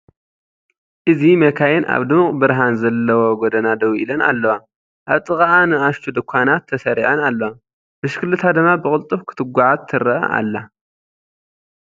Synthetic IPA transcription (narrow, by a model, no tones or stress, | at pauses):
ʔɨzimɐkʰajɛnʔa̰βd̪ɨmqʼbɨɾɦanzɐlːɐwoɡɔd̪ɐnad̪ɐwʔḭlɐna̰lːɐwa | ʔaβt̪ʼɨkʼaanɨaʃt̪ʰud̪ɨkʷʰːanat̪ʰːɐsɐɾiʕɐnalːɐwa | bɨʃkʰɨlːɨt̪ʰad̪ɨmːabɨkʼɨlt̪ʼɨfkʰɨ̥t̪ʰɨɡʷaʕat̪ʰːɨɾɐʔa̰lːa